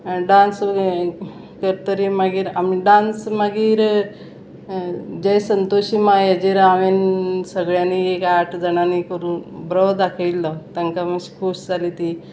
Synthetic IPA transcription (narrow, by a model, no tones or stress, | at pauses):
ɖãns | kəɾt̪əɾimaɡiːɾamiɖansməɡiːɾ | d͡ʑəjsənt̪oɕimajəd͡ʑeɾaʋensəɡɭjaniekaʈʰd͡zəɳ̃anikəɾuːnbɾəwd̪akʰəilːɔt̪əŋkaməɕi̥kʰosd͡zalit̪i